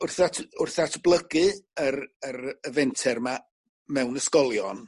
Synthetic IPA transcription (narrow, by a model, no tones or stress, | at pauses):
ʊrθatʰʊrθatʰblˠəɡɨərəɾəvɛntʰɛrma | mɛwnəskɔlˠjɔn